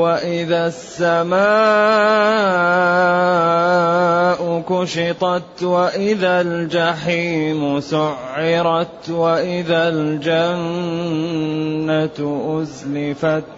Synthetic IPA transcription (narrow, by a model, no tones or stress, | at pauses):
waʔɪðasːamaː | ʔʊkʊʃɪt̪ˤɑt̪waʔɪðald͡ʒaħiːmʊsʊʕːɪɾˤɑt̪waʔɪðald͡ʒan | at̪ʔʊzlɪfat̪